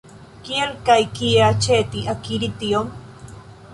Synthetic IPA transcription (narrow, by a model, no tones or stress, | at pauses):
kielkajkijat͡ʃet̪iʔakiɾit̪iom